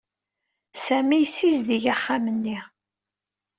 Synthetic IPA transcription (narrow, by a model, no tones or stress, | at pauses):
sæmijsːizðiʝaχːamənːi